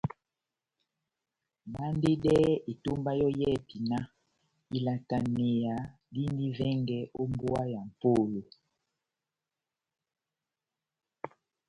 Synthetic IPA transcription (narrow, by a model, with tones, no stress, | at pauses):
ma˦nde˦dɛ˦e˨tu˦mba˦jɔ˦jɛ˦pi˨na˦ | i˨la˨ta˨ne˨ja˨ | di˦ndi˦vɛ˦ŋɡɛ˦ʔo˦mbwa˦ja˨m̩˨po˦˨lo˨